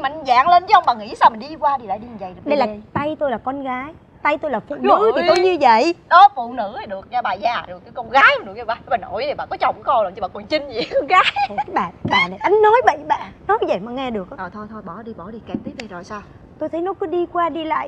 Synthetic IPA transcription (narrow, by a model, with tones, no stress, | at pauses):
ma˨˩za̰ː˧˨ŋle˧nt͡ɕə˨˦ʔwŋ͡mɓaː˨˩ŋḭ˧˥saː˧wmi˨˩nɗi˧kwaː˧i˨˩la̰ː˧˨jɗi˧ɲ˨˩zə̰˧˨jɗə˧jlaː˨˩t̪a˧jt̪o˧jlaː˨˩kɔ˧nɣaː˨˦j | t̪a˧jt̪o˧jlaː˨˩fṵ˧˩˨nɨ̰˧˥tʰi˨t̪o˧jjɲɨ˧və̰˧˨jɗɔ˨˦fṵ˧˨nɨ̰˧˥ə˨˩ɗɨ˨˩ək̚ɲa˧˩ɓaː˨˩zaː˨˩ɗɨ˨˩əkːaː˨˦jkɔ˧ŋ͡mɣaː˨˦jnɨ˨˩kɲa˧˩ɓaː˨˩a˧˩ɓaː˨˩nʔo̰˧˨ji˨˩a̰ː˧˩kɔ˨˦t͡ɕɔ˨˩wŋ͡mkkɔ˧lmt͡ɕi˧˩ɓaː˨˩ku˨˩ənt͡ɕi˧ŋ̟zkɔ˧ŋɣaː˨˦jaː˨˦jɓaː˧˨˦ɓaː˧˨la̰˧˨ʔa˨˦ŋ̟nɔ˨˦jɓə̰˧˨jɓa̰ː˧˨nɔ˨˦zə̰˧˨jmaː˨˩ŋɛ˧ɗɨ˨˩ək̚ʔaː˨ʔəː˨˩t̪ʰo˧jt̪ʰo˧jɓɔ˧˩ɗi˧ɓɔ˧˩ɗi˧ka˨˩t̪ʰi˨˦ɗi˧˩zo˨˩jsaː˧w | t̪o˧jt̪ʰə˨˦jnɔ˨˦kɔ˨˦ɗi˧kwaː˧ɗi˧la̰ː˧˨ʔ